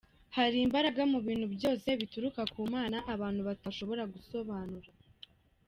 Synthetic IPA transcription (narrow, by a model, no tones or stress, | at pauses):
haɾiːmbaɾaɡamuβiːnhubjo̞ːse̞βituɾukakuːmaːnaʔaβaːn̥huβataʃo̞βo̞ɾaɡuso̞βaːnuɾa